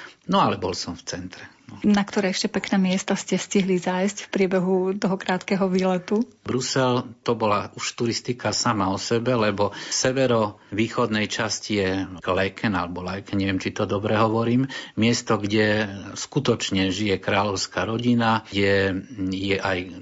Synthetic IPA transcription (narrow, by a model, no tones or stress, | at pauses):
nɔalɛbɔlsɔmft͡sɛnt̪ɾɛnɔnakt̪ɔɾɛːɛʃcɛpɛknɛːmɪɛst̪ɔscɛsciɦlizajscfpɾɪɛbɛɦut̪ɔɦɔkɾaːt̪kɛɦɔʋiːlɛt̪u | bɾusɛlt̪ɔbɔlauʃt̪uɾist̪ikasamaɔsɛbɛlɛbɔsɛʋɛɾɔʋiːxɔd̪nɛjt͡ʃascijɛlɛkʰɛnalɛbɔlɛjkɛnɲɛʋɪɛmt͡ʃit̪ɔd̪ɔbɾɛɦɔʋɔɾiːmmɪɛst̪ɔɡɟɛskut̪ɔt͡ʃɲɛʒijɛkɾaːlɔʊskaɾɔɟinaɟɛjɛʔaj